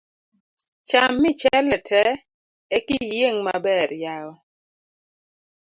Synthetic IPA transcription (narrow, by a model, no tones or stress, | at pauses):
t͡ʃamːɪt͡ʃɛlɛtʰɛ | ekijeŋmabɛɾjaɔ